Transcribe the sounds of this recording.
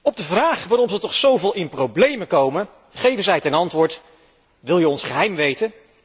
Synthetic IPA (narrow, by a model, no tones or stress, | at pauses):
ɔb̚dəvraːχʋaːɾɔmzətɔχsowvɪːlˠɪnprowblejməkowmən | χejvənzɛjtɛnɑntʋʊːɹt | ʋɪlˠjəɔnsχəɦɛjmʋejtən